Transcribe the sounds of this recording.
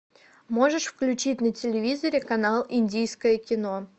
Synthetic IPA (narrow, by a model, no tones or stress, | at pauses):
mo̞ʐɨʂfklʲʉt͡ɕitʲnətʲɪlʲɪvʲizəɾʲɪkɐnalˠɪnʲdʲijskəjəkʲɪno̞